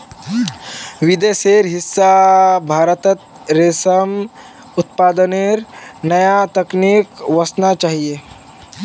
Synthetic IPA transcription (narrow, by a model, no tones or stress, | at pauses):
ʋid̪eseɾɦɪsːabʱaːɾət̪ət̪̚ | ɾesəm | ʊt̪̚paːd̪əneɾnɐjat̪əknikʋɐsnat͡ʃaːɦie